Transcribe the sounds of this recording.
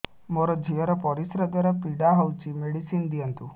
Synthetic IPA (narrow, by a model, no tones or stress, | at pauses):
mɔɾɔd͡ʑʱijəɾɐpɔɾisɾəd̪ɔɾəpiɖaɦɔwt͡ɕimeɽisiːnd̪ijant̪u